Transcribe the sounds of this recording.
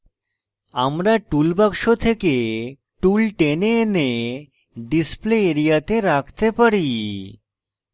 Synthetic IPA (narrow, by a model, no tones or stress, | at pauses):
amɾaʈulbakʂot̪ʰeke | ʈulʈenene | ɖispleːɾijat̪eɾakʰt̪epəɽi